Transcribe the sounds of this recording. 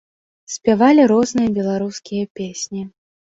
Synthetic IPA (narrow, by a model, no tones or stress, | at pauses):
sʲpʲavalʲiɾɔznɨjɐbʲɛlˠaɾuskʲijɐpʲesʲnʲi